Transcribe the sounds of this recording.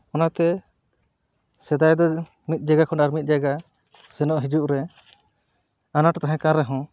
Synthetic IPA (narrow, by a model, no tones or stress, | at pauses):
ɔnat̪ɛ | sɛd̪ajd̪ɔ | mit̪̚d͡ʒaɡakʰɔnaɾmit̪̚ˀd͡ʒaɡa | sɛnɔʔɦid͡ʒuʔɾɛ | anaʈɔt̪aɦɛ̃kãɾɛɦɔ̃